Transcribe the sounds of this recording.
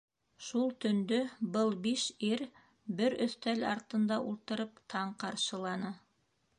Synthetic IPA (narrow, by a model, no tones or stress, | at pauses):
ʃulˠt̪ɵ̆nd̪ɵbɤlˠbiʃiɾ | bɘɾɵ̆θt̪ælɑ̰ɾt̪ɤ̆nd̪ɑʔulˠt̪ɤ̆ɾɤp̚t̪ʰɑɴqɑɾʃɤ̆lˠɑnɤ